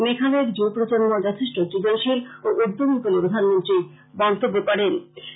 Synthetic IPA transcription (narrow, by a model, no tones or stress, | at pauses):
mekʰaleɾd͡ʑopɾot͡ɕonːod͡ʑɔt̪ʰeʃʈotɾid͡ʑonʃiloʔuɾd̪ʱomik̪olepɾod̪ʱanmont̪ɾi | bɔnt̪obːokɔɾen